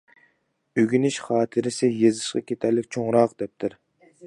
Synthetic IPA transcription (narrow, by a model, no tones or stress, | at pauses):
øɡʲynɪʃχɑːt̪ʰɨɾɪsɪjezɨʃqɑ̰kʲet̪ʰæɾlɪk̚ʲt͡ʃʰoŋɾɑqd̪ɛp̚t̪ʰɪɾ